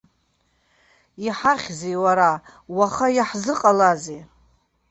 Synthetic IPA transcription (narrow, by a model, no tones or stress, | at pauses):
iħaχʲzejwaɾa | waχajaħzɨqʼalaze